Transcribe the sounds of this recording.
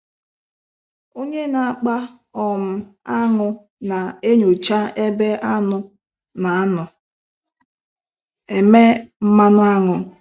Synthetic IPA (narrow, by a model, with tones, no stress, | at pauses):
o˦ɲe˦na˨a˨k͡pa˦ | ɔ˨m̩˨a˦ŋʊ˨ | na˨e˦ɲo˨t͡ʃa˦e˦be˦a˦nʊ˨ | na˨a˦nʊ˨ | e˨me˦m̩˦ma˦nʊ˦a˦ŋʊ˨